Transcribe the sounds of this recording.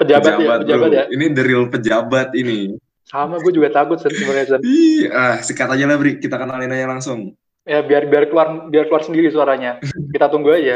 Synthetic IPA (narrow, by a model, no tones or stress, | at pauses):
pəd͡ʒabat̪jabatpəd͡ʒabat̪jainidəɾɪlpəd͡ʒabat̪ini | samaɡuad͡ʒuɡat̪akʊt̪̚sənəŋalasəniahsəkat̪aɲalabɾikit̪akənalinajaŋlaŋsʊŋ | jabiarbiarkluarbiarkluarsəndiɾisuaɾaɲakit̪at̪uŋɡuaja